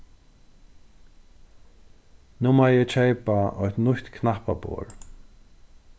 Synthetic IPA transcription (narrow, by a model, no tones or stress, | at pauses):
numajɛt͡ʃʰɛjpaɔ̰jht̪nʊht̪kʰnahpa̰po̰ːɹ